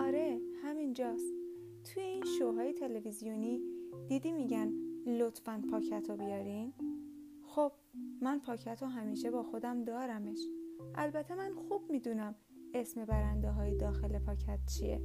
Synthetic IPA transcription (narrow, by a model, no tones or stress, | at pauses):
ʔɒːɾe̞hæmind͡ʒɒːst̪ | t̪ʰujeinʃoɦɒːjet̪ʰe̞le̞vizijonid̪̥iːd̪iːmiːɟænlot̪ʰfænpʰɒːcʰæt̪ʰobijɒːɾin | xob̥̚mænpʰɒːcʰæt̪ʰoɦæmiːʃe̞bɒːxo̞d̪æmd̪ɒːɾæme̞ʃʔælbæt̪ʰːe̞mænxub̥miːd̪uːnæm | e̞sme̞bæɾænd̪eɦɒːjed̪ɒːxe̞le̞pʰɒːcʰæt̪̚t͡ʃʰijḛ